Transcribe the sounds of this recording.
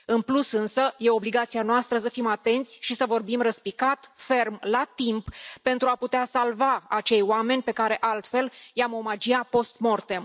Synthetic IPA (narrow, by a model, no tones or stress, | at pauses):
ɨnplusɨnsəje̞o̞bliɡat̪sianoast̪ɾəsəfimat̪e̞nt̪sʲʃisəvo̞rbimrəspikat̪fe̞rmlat̪imppe̞nt̪ɾuaput̪easalvaat͡ʃe̞jwame̞nʲpe̞kaɾe̞ʔalt̪fe̞ljamo̞mad͡ʒiapo̞st̪mort̪e̞